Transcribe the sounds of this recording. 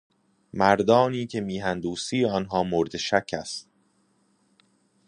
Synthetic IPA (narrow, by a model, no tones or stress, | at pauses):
mæɾd̪ɒːniːcʰe̞miːɦænd̪uːsiːɒːnɦɒːmoɾd̪eʃæcʰːæ̰st̪